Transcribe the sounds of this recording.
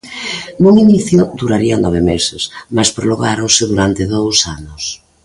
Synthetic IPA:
noŋiniθjʊd̪uɾaɾianɔβ̞emesɪsmaspɾoloɣaɾoŋsɪðuɾant̪ɪðowsanʊs

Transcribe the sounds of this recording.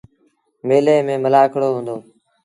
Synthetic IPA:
meːleːmẽːməlaːkʰɽoːɦũːnd̪oː

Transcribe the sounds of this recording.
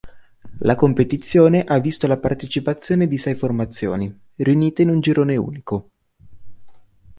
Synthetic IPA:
lakompet̪it̪sːjoːneʔavːist̪olapart̪et͡ʃipat̪sːjoːned̪isɛjformat̪sːjo̰ːni | riuniːt̪einund͡ʒiɾoːneṵːniko

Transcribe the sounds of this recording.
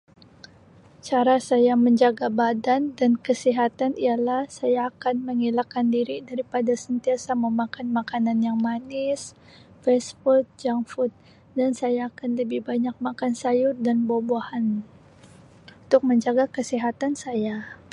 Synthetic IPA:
t͡ʃaɾasajaməɲd͡ʒaɡabadandankəsiɦat̪anijalahsajaːkanməŋilakandiɾidaɾipadasənt̪iasaməmakanmakananjaŋmanɪs | fɛsfut̪̚d͡ʒaŋfut̪̚ | dansajaːkanləbɪhbaɲak̚makansajʊrdanbobahan | unt̪ʊk̚məɲd͡ʒaɡakəsiɦat̪ansaja

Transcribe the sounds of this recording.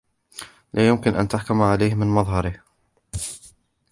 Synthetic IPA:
lʔaːjʊmkɪnʔa̰nt̪aħkʊmʕalajhmɪnmɑðˤɦɑɾɪh

